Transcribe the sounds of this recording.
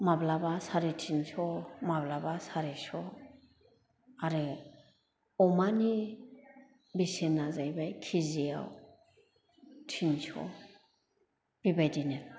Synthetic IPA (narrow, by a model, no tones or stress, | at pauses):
mablabasaɾitʰinsɔmablabasaɾesɔ | aɾɯ | ɔmani | bisenazajbajkʰizija̰w | tʰinsɔ̰ | b̥ibajdine